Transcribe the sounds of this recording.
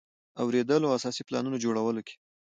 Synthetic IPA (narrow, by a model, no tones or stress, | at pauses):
awɾed̪əloaasɑsiplɑ̰nunod͡ʒoɽawəlokʰe̥